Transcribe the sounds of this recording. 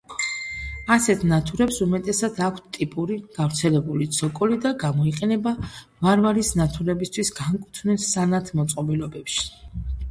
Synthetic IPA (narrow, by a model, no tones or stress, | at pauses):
asɛt̪ʰnat̪ʰuɾɛpsumɛt̪ʼɛsad̪akʷʰt̪ʰt̪ʼipʼuɾiɡ̥avɾt̪sʰɛlɛbulit̪sʰɔkʼɔlid̪aɡamɔiqʼɛnɛba | vaɾvaɾisnat̪ʰuɾɛbist̪ʰwisɡ̥aŋkʼut̪ʰvnɛsːanat̪ʰmɔt̪sʼqʼɔbilɔbɛpʃi̥